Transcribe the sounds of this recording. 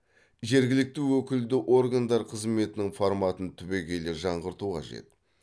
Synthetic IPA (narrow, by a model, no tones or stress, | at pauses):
ʒe̞ɾɡʲɪlɪk̚t̪ɪwɵkʲɪld̪ɪʔo̞ɾɡand̪ɑɾqʰəzme̞t̪ɪnɪŋfoɾmɑt̪ənt̪ʰʏbe̞ɡʲe̞jleɾʒɑɴʁəɾt̪uqʰɑ̰ʒe̞̰t̪